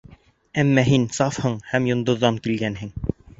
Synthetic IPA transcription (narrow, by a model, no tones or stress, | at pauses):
æmːɑɦinsɑfhɤɴhæmjŏnd̪ŏðːɑŋkilɡænɦɘ̆ŋ